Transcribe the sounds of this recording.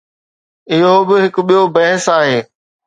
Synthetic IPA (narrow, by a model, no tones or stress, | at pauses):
ɪɦobɪɦɪkʊɓijobɐɦɪsaːɦeː